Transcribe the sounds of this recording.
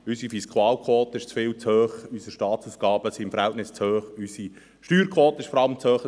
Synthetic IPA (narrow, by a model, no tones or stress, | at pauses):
ysifiskʰuɑːlkʰwoːt̪əɪʃt͡sfɪːlt͡shøːχysəʃtɑːtt͡suːsɡ̥ɑːb̥əsiɪmfəɾhɛltnɪst͡shøːχysi | ʃtyːɾkʰwoːt̪əɪʃfɔɾɑləmt͡shøːχə